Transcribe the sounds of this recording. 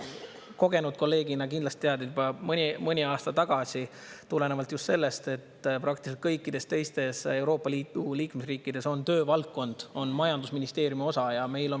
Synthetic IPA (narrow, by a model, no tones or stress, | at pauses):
ko̞ɡe̞nud̪̥̚ko̞lːe̞ːɡ̥inɑkind̪lɑst̪it̪eɑd̪iybɑmɤnʲimɤnʲiɑːst̪ɑt̪ɑɡ̥ɑsi | t̪ule̞ne̞vɑlt̪just̪se̞lːe̞st̪e̞t̪ːpɾɑk̚t̪iselt̪kɤjkːˑid̪̥e̞st̪e̞jst̪e̞se̞wɾo̞ːpːˑɑliːd̪uliːkmesriːkːˑid̪e̞so̞nt̪ø̞ːvɑlt̪̚ko̞nd̪̥o̞nmɑjɑnd̪usminist̪e̞ːɾjumio̞sɑjɑme̞jlo̞